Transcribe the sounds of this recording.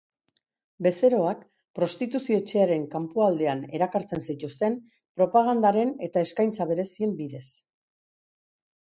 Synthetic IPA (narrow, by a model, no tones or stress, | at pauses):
be̞se̞ɾo̞ak | pɾo̞st̪it̪usio̞et͡ʃe̞aɾe̞ŋkampuald̪e̞ane̞ɾakaɾt͡se̞nsit̪ust̪e̞m | pɾo̞paɣand̪aɾe̞ne̞t̪ae̞skajnt͡saβ̞e̞ɾe̞sie̞mbiðe̞s